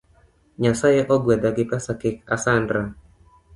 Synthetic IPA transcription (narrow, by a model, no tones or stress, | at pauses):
ɲasajaʔɔɡuadaɡipasakik̚asandɾa